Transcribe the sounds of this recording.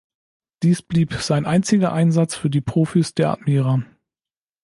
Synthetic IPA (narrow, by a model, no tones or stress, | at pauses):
d̥iːsb̥liːpz̥aɪnʔaɪnt͡sɪɡɐʔaɪnzat͡sfyːɐdiːpʁ̥oːfisd̥eːɐʔa̰tmiːʁa